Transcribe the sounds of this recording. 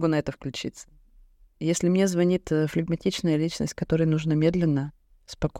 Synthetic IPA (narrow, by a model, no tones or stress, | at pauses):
ɡunɐɛt̪əfklʲʉt͡ɕḭt̪sə̥ | jesʲlʲɪmnʲe̞zvɐnʲit̪flʲɪɡmɐtʲit͡ɕnəjəlʲit͡ɕnə̰sʲtʲkɐt̪o̞ɾəjənuʐnəmʲe̞d̪lʲɪnːə | spɐk